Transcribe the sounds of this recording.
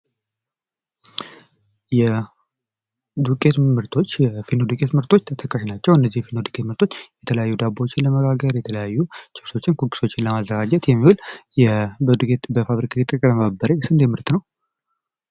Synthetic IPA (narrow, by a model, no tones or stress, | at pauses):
jɛ | d̪ukʼe̞t̪mɨɾt̪ʰo̞t͡ʃːjɛfinod̪ukʼe̞t̪mɨɾt̪ʰo̞t͡ʃːt̪ʰət̪ʰəkʼːəʃinat͡ʃːɛwɨnːəzːihjɛfinod̪ukʼet̪mɨɾt̪ʰot͡ʃːjɛt̪ʰələjajːud̪aboot͡ʃːɪnləməɡaɡəɾjɛt̪ʰələjajːut͡ʃɪso̞t͡ʃːɪnkʰuɡʼi̥so̞t͡ʃːɪnləmazːəɡad͡ʒɛt̪jɛmːihuljɛbəd̪ukʼet̪bəfaβɾikʰaet̪ʼɨkʼləməbːəɾəsɨnd̪emɨɾt̪nəw